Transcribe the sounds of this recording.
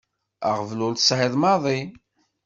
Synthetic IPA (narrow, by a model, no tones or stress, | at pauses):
a̰ʁvlʊlt̪sʕɪðˤmɑðˤi